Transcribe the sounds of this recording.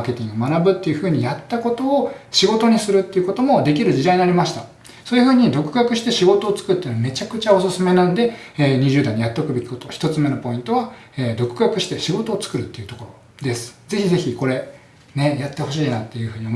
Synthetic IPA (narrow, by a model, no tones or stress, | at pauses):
ke̞t̪ʲĩŋɡomanabɯ̟t̪ːe̞jɯ̟ɸɯ̟ːɲ̟ijat̪ːako̞t̪o̞ːɕiɡo̞t̪o̞ɲ̟isɨɾɯt̪ːeiɯ̟ko̞t̪o̞mod̪e̞k̬ʲiɾɯ̟d͡ʑid̪aiɲ̟inaɾʲimaɕi̥t̪a | soːjɯ̟ɸɯ̟ːɲ̟id̪o̞kɯ̟ɡakɯ̟ɕi̥t̪e̞ɕiɡo̞t̪o̞ːt͡sɨ̥kɯɾɯt̪ːeinome̞t͡ɕakɯ̟t͡ɕao̞sɨsɨme̞nanod̪e̞ːɲ̟iʑɨːd̪aiɲ̟ijat̪ːokɯ̟be̞kʲi̥ko̞t̪oçʲi̥t̪o̞t͡sɨme̞nopo̞ĩnt̪o̞βa | eːd̪o̞kɯ̟ɡakɯ̟ɕi̥t̪e̞ɕiɡo̞t̪o̞ːt͡sɨ̥kɯ̟ɾɯ̟t̪ːeiɯ̟t̪o̞koɾo̞ | d̪e̞sɨ̥ze̞çize̞çiko̞ɾe̞ | nejat̪ːe̞ho̞ɕiːnat̪ːe̞jɯ̟hɯ̟ːɲ̟io